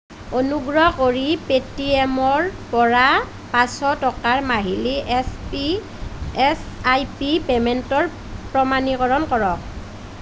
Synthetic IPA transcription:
onuɡɹɔkoɹipetiɛmɔɹpɔɹa | pasɔtɔkaɹmaɦili | sajpipɛmɛntɔɹ | pɹɔmanikɔɹɔnkɔɹɔk̚

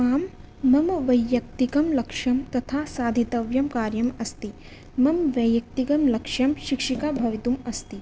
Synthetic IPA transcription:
aːmː | ɐmʋɐjːɐk̚t̪ikɐmlɐkʂɐmt̪ɐt̪ʰaːsaːd̪ʱit̪ɐʋjɐmkaːɾjɐmɐst̪i | mɐmʋɐjɐk̚t̪ikɐmlɐkʂjɐmʃikʂikaːbʱɐʋit̪umɐst̪i

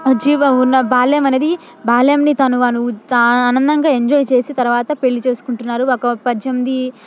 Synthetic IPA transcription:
d͡ʒiːʋɐunːɐbaːlɐjɐmɐneːd̪i | baːlɐjɐmnit̪ɐnuɐnuaːnɐnd̪ɐŋɡaːe̞ɲd͡ʒoːjt͡ʃe̞ːsit̪ɐɾuʋaːt̪ɐpe̞ɭːit͡ʃe̞ːsu̥kuɳʈunːaːɾuɔkɐpɐd͡ʒjɐmd̪i

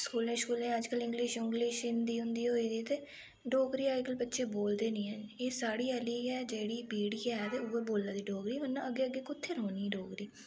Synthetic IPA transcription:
skuːlẽːskuːlẽːəd͡ʒkəlɪ̃ŋɡlɪʃɪŋɡlɪʃɪnd̪iːɦʊ̃nd̪iːɦoːiːd̪iːt̪eː | ɖoːkɾiːaːɪkəlbətːʃʰeːboːld̪eːnĩːɛ̃eːsaːɽiːəliːɛːd͡ʒeːɽiːbiːɽiːɛt̪eːʊbəɾboːlːãːd̪iːɖoːkɾiːmənːãːəɡːeːəɡːeːkʊt̪ʰːeːloːniːɖoːkɾiː

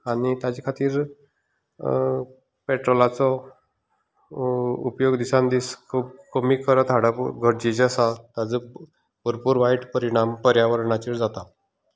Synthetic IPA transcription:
aɽit̪jad͡ʑikʰat̪iːɾ | peʈɾolat͡sɔ | upjoɡd̪isãnd̪iskkəmiːkəɾət̪aɽaɡʱəɽ̚d͡ʑid͡ʑasat̪jad͡zə | pəɾpuːɾʋaiʈpəɾiɽ̃ampəɾjaʋəɾɳat͡ɕiːɾd͡zat̪a

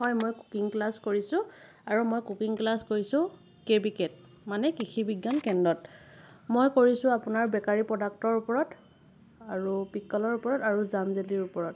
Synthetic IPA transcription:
ɦɔjmojku̥kiŋklaskoɹisʊ̃ | aɹumojkukiŋklaskoɹisʊ̃ | kebiket̚ | manɛkixʰibiɡːankɛndɔt | mojkoɹisʊ̃apʊnaɹbɛkaɹipɹɔdak̚tɔɹupɔɹɔt | aɹupikːɔlɔɹupɔɹɔtaɹuzamzeliɹupɔɹɔt

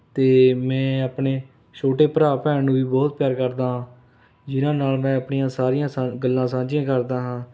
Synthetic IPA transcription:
t̪eːmɛ̃ːəpɳeː | t͡ʃʰoːʈeːpəɾaːpɛːnũːbiːbɔːt̪̚pjaːɾkəɾd̪aːɦãː | d͡ʒɪnãːnaːlmɛ̃ːəpɳijãːsaːɾijãːsaɡəlːãːsãːd͡ʒiãːkəɾd̪aːɦãː

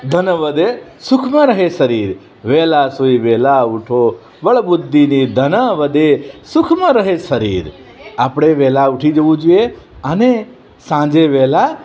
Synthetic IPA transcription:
d̪ʱənəʋəd̪esʊkʰmə̃ɾəɦeʃəɾiɾ | ʋɛːlasoiʋɛlauʈʰo | ʋəɭbʊd̪ʱːinid̪ʱənəʋəd̪esʊkʰmə̃ɾəɦeʃəɾiːɾ | apɽ̃eʋɛlaʊʈʰid͡ʒəʋũd͡ʒueəne | sãd͡ʒeʋɛla

